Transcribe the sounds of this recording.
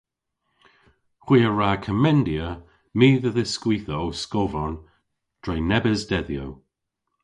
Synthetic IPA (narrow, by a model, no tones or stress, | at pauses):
xwiːəɹaːkʰəmɛndiə | miːðəðəskwiːθəowskovɔn | d̥ɹɛjnɛbəzdɛðjow